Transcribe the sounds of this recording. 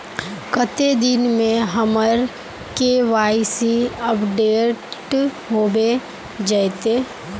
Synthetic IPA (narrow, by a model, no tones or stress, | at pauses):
kət̪ed̪ɪnmẽɦɐməɾ | keʋaːɪsiəpɖeːʈɦoːbe | d͡ʒat̪eː